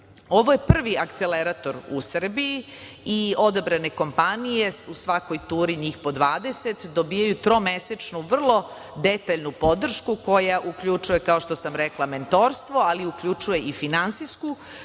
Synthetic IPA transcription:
o̞ʋoje̞pr̩ʋiak̚t̪seleɾat̪o̞ɾṵsr̩biji | io̞d̪abɾane̞ko̞mpanije̞usʋako̞jt̪uːɾiɲixpo̞d̪ʋaːd̪eset̪d̪obijajut̪ɾo̞meset͡ʃnuʋr̩lˠo | d̪et̪aʎnupo̞d̪r̩ʃkuko̞jaʔukʎut͡ʂuje̞kao̞ʃt̪o̞samɾeklˠament̪o̞ɾst̪ʋo̞aliukʎut͡ʃuje̞ifinansisku

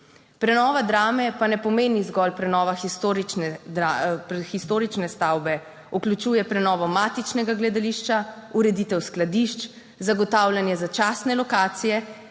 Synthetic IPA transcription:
pɾɛnɔːʋad̪ɾaːmɛpanɛpɔmeːnizɡɔlpɾɛnɔːʋaxist̪oɾiɛapxist̪oːɾit͡ʃnɛst̪aːwbɛ | uklut͡ʃuːjɛpɾɛnɔːʋɔmaːt̪it͡ʃnɛɡaɡlɛd̪aliʃt͡ʃauɾɛd̪it̪ɛwsklad̪iʃt͡ʃ | zaɡɔt̪aːwlʲjanjɛzat͡ʃaːsnɛlɔkaːt̪sijɛ

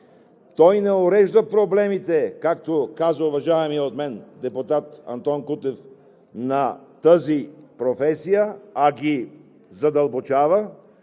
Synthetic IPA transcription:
t̪ɔjnɛoɾɛʒd̪əpɾoblɛmit̪ɛkakt̪okazəʊvɐʒaɛmiɛot̪mɛnd̪ɛpʊt̪at̪ɐ̰nt̪ɔnkut̪ɛf | nɐt̪əzipɾofɛsijəɐɡ̟ʲi | zɐd̪ɐlˠbot͡ʃavə

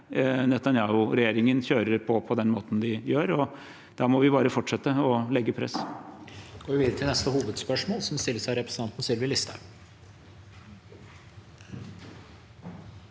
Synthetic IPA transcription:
nɛt̪ɑnjɑːʊɾɛjeːɾɪŋənçøːɾəɾpʰɔpʰɔd̪ɛnmoːt̪n̩d̪ɪjøːɾɔ | d̪̥ɑmɔʋɪbɑːɾəfɔʈʂɛt̪ːəɔlɛɡːəpʰɾɛ̰s | ɡoːʋɪʋiːd̪ɾət̪ʰɪlnɛst̪əhuːʋəd̪spœʂmoːlsɔmst̪ɪlːəʂæɪɾɛpɾəsn̩ʰɑnt̪n̩sɪlʋɪlɪst̪ə

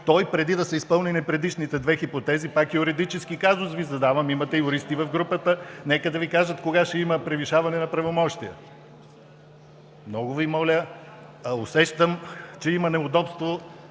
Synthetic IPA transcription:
t̪ɔjpɾɛd̪id̪ɐsɛispɤlˠninipɾɛd̪iʃnit̪ɛd̪vɛxipot̪ɛzipakiʊɾɛd̪it͡ʃɛsk̟ikazʊsvizɐd̪avɐmimɐt̪ɛjʊɾist̪ivɐfɡɾupət̪ənɛkəd̪ɐvikaʒɐt̪koɡaʃɛiməpɾɛviʃavɐnɛnɐpɾɐvomɔʃt̪ijə̰ | mnɔɡʊvimɔlʲə | ɐosɛʃt̪əmt͡ʃɛimɐnɛʊd̪ɔpst̪vo

